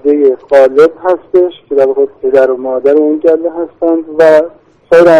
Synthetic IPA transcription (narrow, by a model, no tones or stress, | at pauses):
d̪ejeɣɒːle̞bɦæst̪e̞ʃcʲʰe̞d̪æɾvɒːɣepʰe̞d̪æɾomɒːd̪æɾeund͡ʒælːeɦæst̪ænd̪væ | sɒːjɾæ